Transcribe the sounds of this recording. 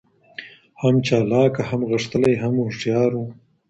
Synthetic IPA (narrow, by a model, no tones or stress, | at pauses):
hamt͡ʃɑːlɑːkahamɣəʂt̪əlajɦamʊʂʈjɑːɾu